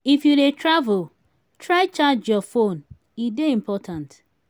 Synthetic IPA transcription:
ifjudetɾavʊl | tɾaɪt͡ʃad͡ʒjɔfon | ideĩm̩pɔtãnt

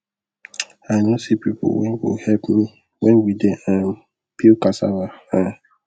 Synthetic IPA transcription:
aɪnosipipo̰wɛ̰̃nwḭhɛlpmi | wɛ̃nwideãn | pʰilkasa̰vaha

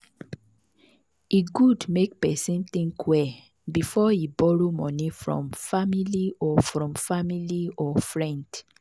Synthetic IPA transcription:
iɡudmek̚pɛsĩnt̪ĩŋkwɛ | bifɔibɔɹomɔ̃nĩfɹɔ̰̃mfamiliɔfɹɔ̃mfamiliɔfɹɛ̃nd̥

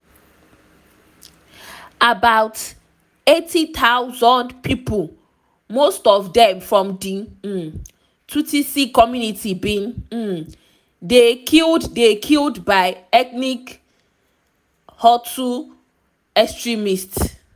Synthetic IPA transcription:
abawt | etʰit̪ʰaʊwzɔ̃ndpʰipʰol | mostɔvdɛ̃mfɹɔ̃mdĩ | tʰutisikɔmjunitibĩn̩ | dekʰilddekʰildbaɪɛknik | hɔtu | ɛkstɹimists

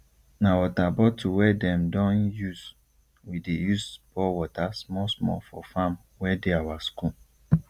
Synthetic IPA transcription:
nawɔtabɔtʰuwɛdɛ̃mdɔ̃njus | widejusbɔwɔtasmɔsmɔ̰fɔfãm | wɛdeawasku

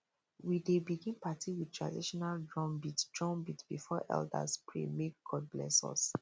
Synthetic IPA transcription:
widebiɡĩnpatʰiwid̚tʰɹa̰diʃɔnaldɹɔ̃mbitdɹɔ̃mbitb̥ifɔʔɛ̰lda̰spʰɹḛmek̚ɡɔd̚blɛ̰sɔ̰s

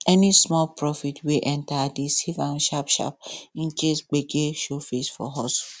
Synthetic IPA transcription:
ɛnismɔlpɹɔfitʰwiʔɛ̃ntadisivãnʃapʃa̰p̚ĩnt͡ʃesɡ͡beɡeʃofesfɔ̰ɦɔs

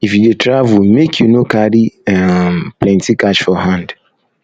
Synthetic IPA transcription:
ifjudetɾavumekʰjunokaɾiɛplɛ̃ntikaʃfɔɦãnd

